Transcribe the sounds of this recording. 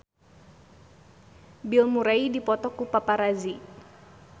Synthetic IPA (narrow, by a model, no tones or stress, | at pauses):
bilmuɾaidipɔt̪ɔkupapaɾazi